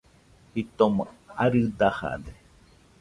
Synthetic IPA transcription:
hit̪omõaɾɨd̪aha̰d̪e

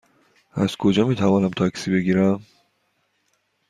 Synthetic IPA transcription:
æ̰z̥kʰo̞d͡ʒɒːmiːt̪ʰævɒːnæmt̪ʰɒksiːbe̞ɡiːɾæm

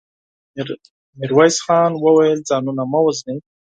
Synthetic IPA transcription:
mɪɾwajsxɑːnwəwajəld͡zɑːnunamawəzni

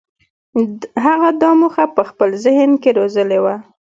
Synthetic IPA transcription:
ɦaɣad̪ɑmuxapəxpəlzɪhənkeɾozəlewa

